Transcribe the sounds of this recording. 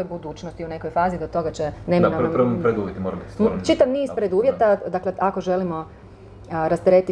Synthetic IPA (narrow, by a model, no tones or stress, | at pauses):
ojbud̪uːt͡ʃnost̪iune̞kojfaːzid̪ot̪o̞ɡat͡ʃenemnapɾʋopɾed̪uːʋjet̪imoɾa̰bit̪smt͡ʃit̪aʋniːspɾed̪uːʋje̞t̪ad̪akleako̞ʒelimo̞ | ɾast̪eɾet̪i